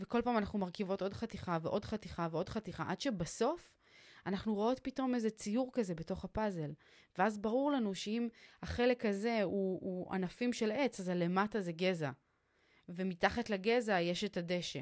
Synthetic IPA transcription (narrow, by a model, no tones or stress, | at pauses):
veko̞lpaːmanaχnumaʁkivo̞to̞dχatiχaveʔo̞dχatiχaveo̞dχatiχa̰ʔadʃebaso̞f | anaχnuʁoo̞t̚pito̞me̞zet͡sijuʁkaze̞be̞to̞χapaze̞l | veazbaʁuʁlanuʃeimhaχe̞le̞khaze̞uːa̰nafimʃe̞le̞t͡sazale̞mataze̞ɡe̞za | vemitaχatlaɡe̞zaje̞ʃetade̞ʃe